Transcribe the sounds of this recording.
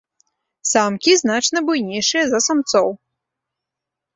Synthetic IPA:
samkʲiznat͡ʂnɐbujnʲɛjʂɨjɐzɐsamt̪sɔw

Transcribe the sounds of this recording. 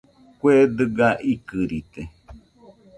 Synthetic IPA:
kʷed̪ɨɡaʔikɨɾit̪e

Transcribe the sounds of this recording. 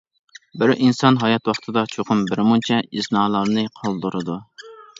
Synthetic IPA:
bɪɾinsɑnɦɑjɑt̪wɑχt̪ʰɨd̪ɑt͡ʃʰoqʊmbɪɾmunt͡ʃʰɛiznɑːlˠɑɾnɨqʰɑlˠd̪uɾɨd̪u

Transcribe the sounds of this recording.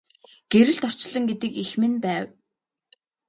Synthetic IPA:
ɡ̥eɾɘ̆ɮt̪ɔr̥t͡ɕɮə̆ŋɡet̪ɘ̆kixmɘ̆npæːw

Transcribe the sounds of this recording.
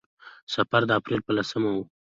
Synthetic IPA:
safaɾd̪əapɾelpəlasəmawu

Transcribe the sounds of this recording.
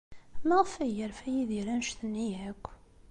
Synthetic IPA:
mæʁəfæjəɾfæjiðiɾænʃθənːiækʷː

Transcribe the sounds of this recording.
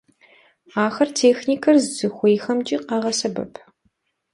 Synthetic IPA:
aːxɐrtʰeːxniːkʰɐrzzɨxʷejxɐmt͡ʃʼiqɑʁɐsɐbɐ̰pʰ

